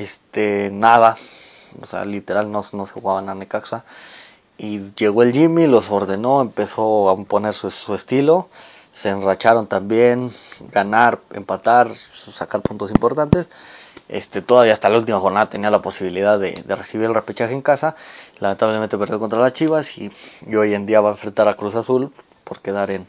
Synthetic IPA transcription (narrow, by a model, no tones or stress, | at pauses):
est̪enaða | o̰sḛa̰lit̪e̞ɾalnosnosexuɣaβananekaksa | iʝe̞ɣo̞e̞lʝimilo̞so̞ɾðe̞no̞empe̞so̞apo̞ne̞ɾsuuest̪ilo̞ | se̞ːnrat͡ʃaɾo̞nt̪ambje̞nɡanaɾḛmpat̪aɾsakaɾpunt̪o̞simpo̞ɾt̪ant̪e̞sḛst̪e̞t̪o̞ðaβiast̪alault̪̬imaxo̞ɾnaðat̪e̞nialapo̞siβilið̞aðḛðere̞siβ̞iɾelrepet͡ʃaxeeŋkasalament̪aβlemẽnt̪epeɾðjokot̪ɾalast͡ʃiβasiio̞je̞nd̪iaβaeɱfɾe̞nt̪aɾakɾusasul | po̞ɾke̞ðaɾen